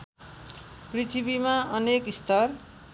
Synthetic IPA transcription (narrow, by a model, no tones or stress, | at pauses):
prit̪ʰibimaʌnekist̪ʌr